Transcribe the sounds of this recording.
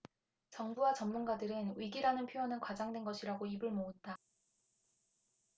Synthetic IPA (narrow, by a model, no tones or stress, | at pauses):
t͡ɕʌŋbuwat͡ɕʌmmunɡadɯɾɯnwiɡiɾanɯnpʰjoonɯnkwad͡ʑaŋdwe̞nɡʌɕʰiɾaɡoibɯɭmoɯt̚t͈a